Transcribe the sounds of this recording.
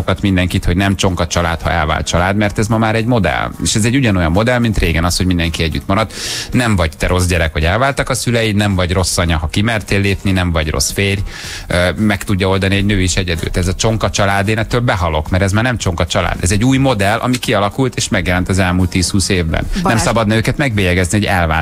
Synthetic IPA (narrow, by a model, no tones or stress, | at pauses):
okɒt̪mind̪ɛŋkit̪ho̞ɟnɛmt͡ʃo̞ŋkɒt͡ʃɒla̰ːt̪hɒ̰ʔɛlva̰ːlt̪̚t͡ʃɒlaːd̪mɛrt̪ɛzmɒmaːɾɛɟmo̞d̪ɛ̰leːʃɛzɛɟːuɟɒno̞jɒmːo̞d̪ɛlmint̪reːɡɛnɒsho̞ɟmind̪ɛŋkiɛɟːy̰t̪mɒɾɒd̪nɛɱvɒɟt̪ɛɾo̞zɟɛɾɛkhoɟɛlvaːlt̪ɒkɒsylɛjinɛɱvɒɟro̞sːɒɲɒɦɒkimɛrt̪eːlːeːpninɛɱvɒɟro̞̰sfeːr | mɛkt̪uɟːɒo̞ld̪ɒniɛɟnøːiʃɛɟɛd̪y̰lt̪ɛzɒt͡ʃo̞ŋkɒt͡ʃɒlaːd̪eːnɛt̪ːølbɛɦɒlo̞kmɛɾɛzmaːrnɛmt͡ʃo̞ŋkɒt͡ʃɒla̰ːd̪ɛzɛɟːuːjmo̞d̪ɛlʔɒ̰mikiɒlɒkult̪eːʃmɛɡjɛlɛnt̪ɒzɛlmuːlt̪ːiːshuːseːvbɛ̰nnːɛmsɒbɒd̪nɛøːkɛt̪mɛɡbeːjɛɡɛzniho̞ɟɛlva̰ː